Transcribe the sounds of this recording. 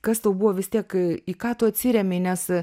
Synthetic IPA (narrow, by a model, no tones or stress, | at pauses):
kɐst̪ɐʊbuʋoːʋʲɪst̪ʲiɛkiːkɑːt̪ʊːɐt̪ʲsʲɪɾʲɛmʲeɪnʲɛs